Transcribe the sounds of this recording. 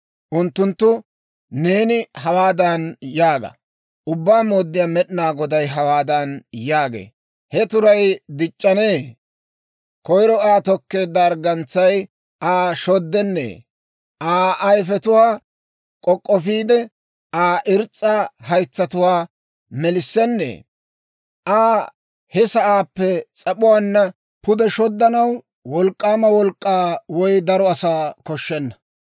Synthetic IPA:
ʔʊnt̪ːʊnt̪ːʊ | ne̞ːnɪhɐwaːd̪ɐnjaːɡɐ̰ | ʔʊbːaːmoːd̪ːɪjaːmɛɗnaːɡɔd̪ɐjɦɐwaːd̪ɐnjaːɡḛː | hɛt̪ʊɾɐjd̪ɪt͡ʃʼːɐne̞ː | kɔjɾɔaːt̪ɔkːe̞ːd̪ːɐːɾɡɐnt͡sːɐj | ʔaːʃɔd̪ːɛnːḛː | ʔaːʔɐjfɛt̪ʊwaː | kʼɔkʼːɔfiːd̪ɛ | ʔaːʔɪɾt͡sʼːɐhɐjt͡sːɐt̪ʊwaː | mɛlɪsːɛnːḛː | ʔaː | hɛsɐʔaːpːɛt͡sʼɐpʊwaːnːɐ | pʊd̪ɛʃɔd̪ːɐnɐw | wɔlkʼːaːmɐwɔlkʼːaːwɔjd̪ɐɾɔɐsaːkɔʃːɛnːɐ̥

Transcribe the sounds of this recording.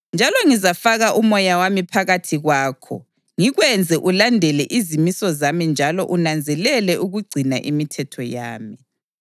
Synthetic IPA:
nd͡ʒʱalɔŋizafaɣaʔumɔjawamipʰaɣatʰiɣwaːkʰɔ̰ | ŋiɣwɛnd͡zʱɛʔulandʱɛlɛʔizimisɔzamind͡ʒʱalɔʔunand͡zʱɛlɛlɛʔuɣuɡ͡ǀʱinaʔimitʰɛtʰɔja̰ːmi

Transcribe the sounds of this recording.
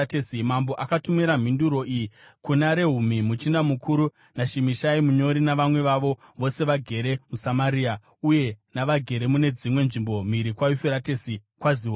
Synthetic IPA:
tesimambo̞ʔakatumiɾam̤induɾo̞ijikunaɾe̞ɦumimut͡ʃindamukʰuɾu | naʃimiʃaimuɲo̞ɾinaʋamwe̞ʋaʋo̞ | ʋo̞se̞ʋaɡʱe̞ɾe̞musamaɾia | uje̞naʋaɡʱe̞ɾe̞mune̞d͡zimwe̞nʐimbo̞m̤iɾikwajufeɾatesikwaziwo

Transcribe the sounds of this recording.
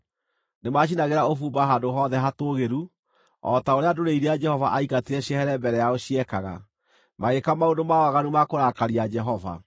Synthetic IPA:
nemaɕ̬inaɣeɾaofuːmbaɦandoɦɔðɛɦatoːɣeɾu | ɔtaoɾeadoɾeiɾead͡ʒɛhɔvaʔaikateɾɛɕiɛhɛɾɛmbɛɾɛjaoɕiɛkaɣa̰ | maɣekamaondomawaɣanumakoɾakaɾiad͡ʒɛɦɔva̰

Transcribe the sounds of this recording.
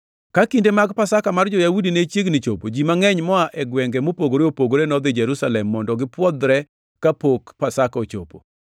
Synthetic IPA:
kakindemaɡpasakamard͡ʒɔjawudinet͡ʃjeɡnɪt͡ʃopod͡ʒimaŋɛɲmɔaʔɛɡwɛŋɡɛmopoɡoɾeopoɡoɾenɔd̪ɪd͡ʒɛɾusalɛmːɔndɔɡɪpwɔd̪ɾɛ | kapokpasakot͡ʃo̰po̰

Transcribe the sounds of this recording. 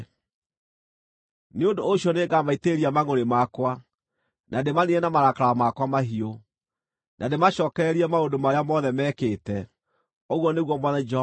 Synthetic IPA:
neondoːɕiɔneːɡamaiteɾiamaɣoɾemakwa | nʔademaniɛnamaɾakaɾamakwamaɦio | nʔademaɕɔːkɛɾiɛmaodomaɾeamɔðɛmɛːkeːtɛ | oɣwɔneɣwɔmɔðɛd͡ʒ

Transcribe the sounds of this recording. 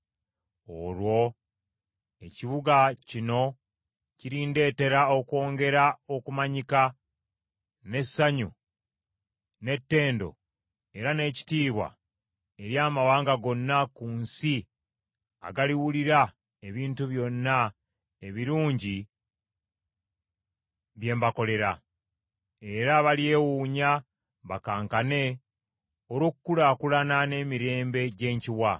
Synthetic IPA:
olwo̞ | e̞ciβuɡacino̞ | ciɾiːnde̞ːte̞ɾaokwo̞ːŋɡe̞ɾao̞kumaɲika | ne̞sːaɲu | ne̞tːe̞ːndo̞̰ | e̞ɾane̞ːci̥tiːβwa̰ | e̞ɾjaːmawaːŋɡaɡo̞nːakuːnsi | a̰ɡaliwuliɾa | e̞βiːntuβjo̞nːa | e̞βiɾuːɲɟi | βje̞ːmbako̞le̞ɾa | eɾaβalje̞ːwuːɲa | βakaːŋkane̞ | oɾokukːulakulanane̞ːmiɾe̞ːmbe̞ɟe̞ːɲciwa

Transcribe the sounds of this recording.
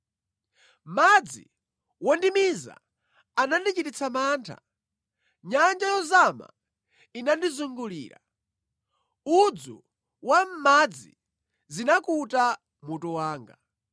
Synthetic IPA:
mad͡zḭ | wɔndimiza̰ | anandit͡ʃitit͡sʰamaːntʰa̰ | ɲand͡ʒajɔzama̰ | inandizuŋɡulḭːɾa̰ | ud͡zṵ | wam̩mad͡zḭ | zinakuta | mutuwaːŋɡa

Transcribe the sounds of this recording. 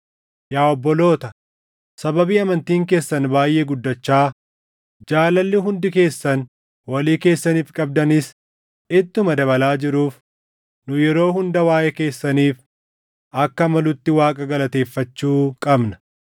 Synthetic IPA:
jaːɔbːɔlo̞ːt̪ɐ | sɐbɐbiːɐmɐnt̪iːŋke̞ːsːɐnbaːjʔeːɡʊd̪ːɐt͡ʃːaː | d͡ʒaːlɐlːɪɦʊnd̪ɪke̞ːsːɐn | wɐliːke̞ːsːɐniːfkʼɐb̚d̪ɐnɪs | ɪt̪ːʊmɐd̪ɐβɐlaːd͡ʒɪɾuːf | nʊjɛɾo̞ːɦʊnd̪ɐwaːʔɛke̞ːsːɐniːf | ʔɐkːɐmɐlʊt̪ːɪwaːkʼɐɡɐlɐt̪e̞ːfːɐt͡ʃːuːkʼɐbnɐ̥

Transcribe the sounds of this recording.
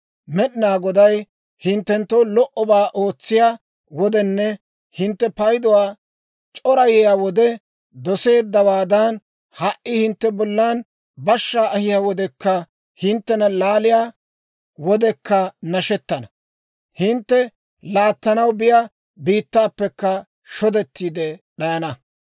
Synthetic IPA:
mɛɗɪnaːɡɔd̪ɐj | hɪnt̪ːɛnt̪ːowlɔʔɔbaːʔo̞ːt͡sːɪjaː | wɔd̪ɛnːɛ | hɪnt̪ːɛpɐjd̪ɔwaː | t͡ʃʼɔɾɐjɛjaːwɔd̪ɛ | d̪ɔse̞ːd̪ːɐwaːd̪ɐn | hɐʔʔɪhɪnt̪ːɛbɔlːaːn | bɐʃːaːʔɐhɪjaːwɔd̪ɛkːɐ | hɪnt̪ːɛnɐlaːlɪjaː | wɔd̪ɛkːɐnɐʃɛt̪ːɐnɐ | hɪnt̪ːɛ | laːt̪ːɐnɐwbɪja | biːt̪ːaːpːɛkːɐ | ʃɔd̪ɛt̪ːiːd̪ɛɗɐjɐnɐ

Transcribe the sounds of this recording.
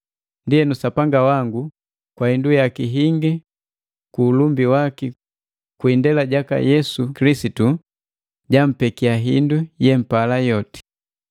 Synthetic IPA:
ndiɛnusapaŋɡawaŋɡu | kwahindujakiɦiŋɡi | kuːlumbiwaki | kwindɛlaɟaka̰jɛsukilisitu | ɟam̩pɛkiaɦindujɛm̩palajɔti̥

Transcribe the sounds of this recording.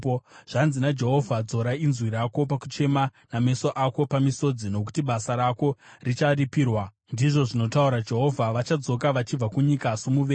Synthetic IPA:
ʐ̥anzinad͡ʒe̞ɦo̞vʱad͡zo̞ɾainzwiɾako̞paku̥t͡ʃe̞maname̞so̞ʔako̞pamiso̞d͡zino̞ku̥tiɓasaɾako̞rit͡ʃaripiːrwa | ndiʐo̞ʐino̞tauɾad͡ʒe̞ɦo̞vʱaʋat͡ʃad͡zo̞kaʋat͡ʃib͡vakuɲikasumuʋeː

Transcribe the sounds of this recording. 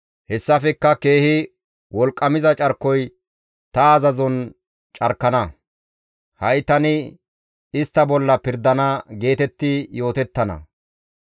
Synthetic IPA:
hɛsːɐfɛkːɐke̞ːhɪ | wɔlkʼːɐmɪzɐt͡ʃʼɐɾkːɔj | t̪ɐːzɐzɔn | t͡ʃʼɐɾkːɐnɐ | hɐjt̪ɐnɪ | ɪst̪ːɐbɔlːɐpɪɾd̪ɐnɐɡe̞ːt̪ɛt̪ːɪjo̞ːt̪ɛt̪ːɐnɐ̰

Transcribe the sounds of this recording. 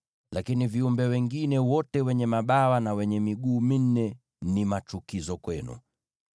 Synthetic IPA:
lakiniviumbɛwɛŋɡinɛwɔtɛwɛɲɛmaɓawanawɛɲɛmiɠuːmin̩ːɛ | nimat͡ʃukizɔkwɛnṵ

